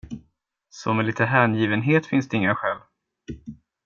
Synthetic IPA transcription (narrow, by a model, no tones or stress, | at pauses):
sɔmɛlɪt̪əɦæɳjiːvənɦeːt̪fɪnsd̪ɛɪŋːaɧɛːl